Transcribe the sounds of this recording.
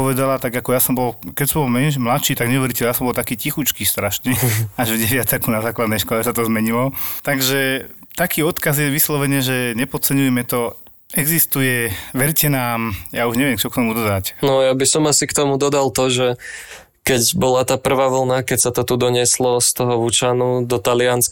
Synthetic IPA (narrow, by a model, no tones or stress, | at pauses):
pɔʋɛd̪alat̪aɡakɔjasɔmbɔlkɛcsɔmbɔlmɛnʃmlatt͡ʃiːt̪aɡɲɛʋɛɾicɛjaːsɔmbɔlt̪akiːcixut͡ʃkiːst̪ɾaʃɲɛaʒvɟɛʋɪat̪ɛkunazaːklad̪nɛjʃkɔlɛsat̪ɔzmɛɲilɔt̪aɡʒɛt̪akiːɔt̪kazjɛʋislɔʋɛɲɛʒɛɲɛpɔt͡sɛɲujɛmɛt̪ɔ | ɛɡzist̪ujɛʋɛɾcɛnaːmjauʒɲɛʋɪɛmt͡ʃɔk̚t̪ɔmud̪ɔd̪acnɔjabisɔmasikt̪ɔmud̪ɔd̪alˠt̪ɔʒɛ | kɛcbɔlat̪aːpr̩ʋaːʋl̩ˠnakɛcsat̪ɔt̪ud̪ɔɲɪɛslɔst̪ɔɦɔʋut͡ʃanud̪ɔt̪alɪans